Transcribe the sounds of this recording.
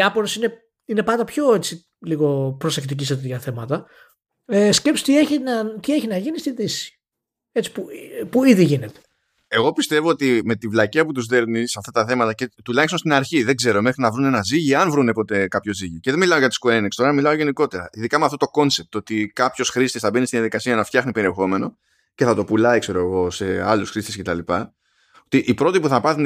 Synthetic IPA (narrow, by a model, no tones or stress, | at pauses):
iɐpoɾosine | inepɐnd̪ɐpço̞e̞t͡si | liɣo̞pɾose̞kt̪ic̬isɐt̪iðʝɐθe̞mɐt̪ɐ | esce̞pst̪ieçinɐt̪ie̞çinɐʝinist̪iðisi̥ | e̞t͡si̥pupuiðiʝine̞t̪e̥ | e̞ɣo̞pist̪e̞vo̞ot̪ime̞t̪ivlɐciɐput̪uzðe̞ɾnisɐft̪ɐt̪ɐθe̞mɐt̪ɐce̞t̪ulɐçst̪onst̪inɐɾçiðe̞ɡze̞ɾo̞me̞xɾinɐvɾune̞nɐziʝiɐnvɾunepo̞t̪e̞kɐpço̞ziʝiceðe̞milɐo̞ʝɐt̪i̥skuenikst̪o̞ɾɐmilɐo̞ʝe̞niko̞t̪e̞ɾɐʔiðikɐmeɐft̪o̞t̪oko̞nse̞p̚t̪o̞t̪ikɐpço̞sxɾist̪esθɐbe̞nist̪iðijɐðikɐsiɐnɐft̪çɐxnipe̞ɾie̞xo̞me̞no̞ | ce̞θɐt̪o̞pulɐikse̞ɾoeɣo̞se̞ɐ̰lusxɾist̪esce̞t̪ɐlipɐ | ot̪iʔipɾo̞t̪ipuθɐpɐθun